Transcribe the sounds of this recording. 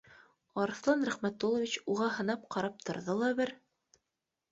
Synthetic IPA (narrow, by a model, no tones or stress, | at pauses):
ɑɾɤθlˠɑnɾæχmæt̪ːolˠŏvʲit͡ɕuʁɑɦɤ̆nɑp̚qɑɾɑp̚t̪ʰŏɾðɤlˠɑbɘɾ